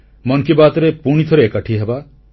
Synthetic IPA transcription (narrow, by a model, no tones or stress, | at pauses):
mɔnkibat̪ɔɾepuɽ̃it̪ʰɔɾeːkaʈʰiɦeba